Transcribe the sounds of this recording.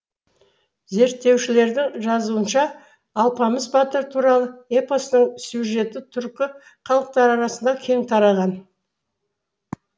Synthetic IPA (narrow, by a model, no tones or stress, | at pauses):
ze̞ɾt̪ːe̞wʃɪle̞ɾd̪ɪŋʒɑzuənʃɑː | lˠpɑməzbɑt̪əɾt̪ʰuɾɑlˠəe̞posnəŋsjuʒe̞t̪ɪt̪ʰʏɾkʲɪ | χɑlˠəq̚t̪ɑɾɑɾɑsənd̪ɑkʲʰe̞ŋt̪ʰɑɾɑʁɑn